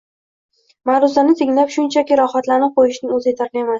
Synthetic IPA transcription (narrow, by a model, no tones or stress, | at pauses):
maɾʊzanɪt̪ʰɪŋlapʃʊnt͡ʃʰakʲɪɾɒχat̪laɾnɪqojɪʃnɪŋɵzɪjet̪ʰaɾemas